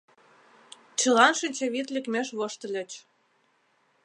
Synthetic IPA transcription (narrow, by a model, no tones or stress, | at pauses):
t͡ɕɤ̆lɑnʃinʲt͡ɕeβit̪lʲekmʲeʃβoʃt̪ə̆lʲĕt͡ɕ